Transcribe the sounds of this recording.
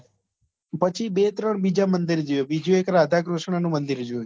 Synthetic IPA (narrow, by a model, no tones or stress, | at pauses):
pət͡ʃʰibet̪ɾəɳbid͡ʒamənd̪iɾd͡ʒuebid͡ʒũekɾad̪ʱakɾuʃɳanũmənd̪iɾd͡ʒoj